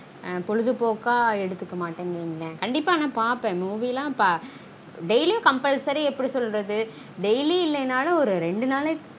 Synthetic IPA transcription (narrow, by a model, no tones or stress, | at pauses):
pɔɻɯðɯpoːkaːɛɽɯt̪ːɯkːɐmaːʈːẽːŋɐŋɡlẽːkɐɳɖɪpːaːnãːpaːɾpẽːmuːʋilãːɐpːaː | ɖɛɪlikɐmpɛlsɐɾiɛpːɐɽisɔlːɾɐðɯ | ɖɛjliɪlːɐjnaːlɐɔɾɯɾɛɳɖɯnaːlɐ